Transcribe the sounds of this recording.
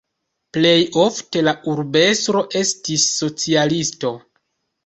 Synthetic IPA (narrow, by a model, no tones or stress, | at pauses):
ple̞jo̞fte̞laʔuɾbe̞stɾo̞ʔe̞stisːo̞t͡sialisto̞